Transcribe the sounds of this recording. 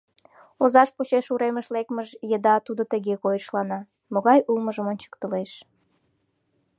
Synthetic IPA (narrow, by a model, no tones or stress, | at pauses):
ozɑʃput͡ɕeʃuɾeməʃlekməʒjəd̪ɑt̪ud̪ot̪əɣekojəʃlɑnɑ | moɣɑjʔulməʒəmonʲt͡ɕə̥kt̪əleʃ